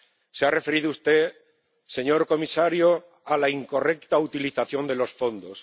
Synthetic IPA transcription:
searefe̞ɾiðoust̪e̞ | se̞ɲo̞ɾko̞misaɾjo | alaiŋko̞re̞kt̪aut̪iliθaθjo̞nd̪e̞lo̞sfo̞nd̪o̞s

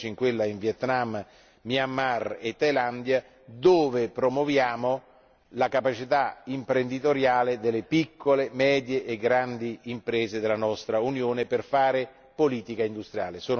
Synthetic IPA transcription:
t͡ʃiŋkwelːaiɱvjɛt̪namː | miamːaret̪ːajland̪ja | d̪oːvepɾomwovjaːmo | lakapat͡ʃit̪aimpɾend̪it̪oɾjaːled̪elːepikʰːolemɛːd̪jeʔːɡɾand̪iimpɾeːzed̪elːanɔst̪ɾaunjoːneperfaːɾe | poliːt̪ikaind̪ust̪ɾja̰ːlesoːn

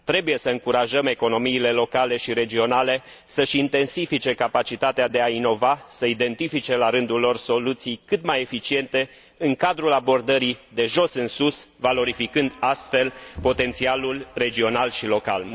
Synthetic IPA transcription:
t̪ɾe̞buje̞səɨŋkuɾaʒəme̞ko̞no̞miːle̞lo̞kale̞ʃiɾe̞d͡ʒio̞nale̞ | səʃint̪e̞nsifit͡ʃe̞kapat͡ʃit̪at̪ead̪e̞aino̞vasəid̪e̞nt̪ifit͡ʃe̞laɾɨnd̪ulːo̞rso̞lut̪sijkɨt̪maje̞fit͡ʃie̞nt̪e̞ | ɨŋkad̪ɾulabo̞rd̪əɾid̪e̞ʒo̞sɨnsusvalo̞ɾifikɨnd̪ast̪fe̞lpo̞t̪e̞nt̪sialulre̞d͡ʒio̞nalʃilo̞ka̰l

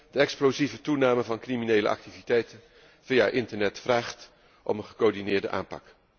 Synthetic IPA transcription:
d̥əɛksplowzivətunaːməvɑnkriminejlə̰ʔɑ̰k̚tivitɛjtən | v̥ija̰ʔɪntəɹnɛtfraːχt | ʔɔ̰mənχəkoːɹdinɪːɹdə̰ʔa̰ːmpɑ̰k

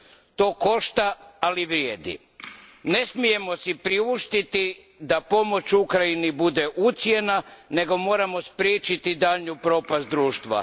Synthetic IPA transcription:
t̪o̞ːko̞ʃt̪aːliʋɾjeːd̪ḭ | ne̞smije̞mo̞sipɾiuʃt̪it̪i | d̪apo̞mo̞t͡ʃukɾainibud̪e̞ʔut̪sje̞nane̞ɡo̞mo̞ːɾamo̞spɾjeːt͡ʃit̪id̪aʎɲupɾo̞ːpast̪d̪ɾuːʃt̪ʋa̰

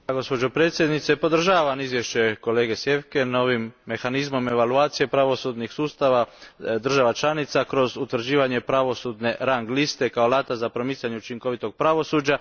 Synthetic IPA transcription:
aɡo̞spo̞d͡ʑo̞pɾe̞ːt̪sje̞d̪nit̪se̞po̞d̪r̩ʒaːʋamizʋje̞ʃe̞ko̞le̞ːɡesje̞ʋke̞no̞ʋimːe̞xanizmo̞me̞ʋaluaːt̪sije̞pɾaʋo̞sud̪nixsuːst̪aʋad̪r̩ʒaʋat͡ʃlˠanit̪sakɾo̞zut̪ʋr̩d͡ʑiːʋaɲe̞pɾaʋo̞sud̪ne̞ɾaŋɡlist̪e̞kao̞laːt̪azapɾo̞mitsʎaɲeut͡ʃiŋko̞ʋit̪oɡ̥̚pɾaʋo̞suːd͡ʑa

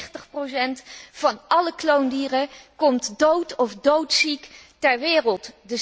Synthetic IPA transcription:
χtəχprosɛntfɑnʔɑləklowndiːrəkɔmtdowtɔfdowtsiktɛɹʋɪːrəlˠtdə

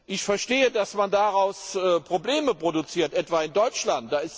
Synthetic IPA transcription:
ʔɪçfɛɐʃteːədasmandaʁaʊsəpʁ̥obleːməpʁ̥odut͡siːɐtʔɛtv̥aːɪndɔʏt͡ʃlant̚d̥aːɪst

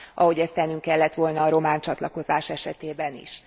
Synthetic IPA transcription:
ʔɒ̰ɦo̞ɟɛst̪ɛnːyŋkɛlːɛt̪ʋo̞lnɒːɾo̞maːɲt͡ʃɒt̪lɒko̞zaːʃɛʃɛt̪eːbɛnḭʃ

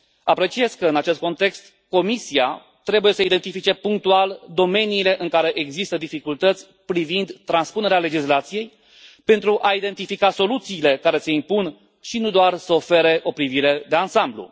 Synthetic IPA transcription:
apɾe̞t͡ʃie̞zkəɨnat͡ʃe̞st̪̚ko̞nt̪e̞kst̪ | ko̞misia | t̪ɾe̞buje̞səid̪e̞nt̪ifit͡ʃe̞puŋk̚t̪uald̪o̞me̞niːle̞ʔɨŋkaɾe̞ʔeɡzist̪əd̪ifikult̪ət̪sʲ | pɾivind̪t̪ɾanspune̞ɾeale̞d͡ʒislat̪sije̞j | pe̞nt̪ɾuʔaid̪e̞nt̪ifikaso̞lut̪siːle̞kaɾe̞se̞impun | ʃinud̪oarsəo̞fe̞ɾe̞ʔo̞pɾiviɾe̞d̪e̞ansamblṵ

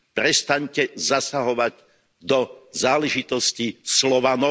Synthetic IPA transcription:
pɾɛst̪aɲcɛzasaɦɔʋaɟ | d̪ɔzaːlɛʒit̪ɔscislɔʋanɔ

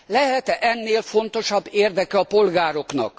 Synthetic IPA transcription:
lɛɦɛt̪ɛʔɛnːeːlfo̞nt̪o̞ʃɒbːeːrd̪ɛkɛɒpo̞lɡaːɾo̞knɒ̰k

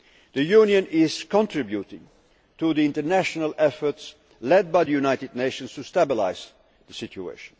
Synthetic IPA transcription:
ðɨjunjɨ̃nɪz̥kə̃ntʰɹ̥ɪbjuɾɪ̰̃ŋ | tʰuðiɪ̃ntə˞næʃnəlˠɛfə˞ts | lɛd̚baɪðɨjunaɪtɨdⁿneɪʃə̃nz̥tʰustæbɪla̰ɪz̥ | ðəsɪt͡ʃuḛɪʃn̩

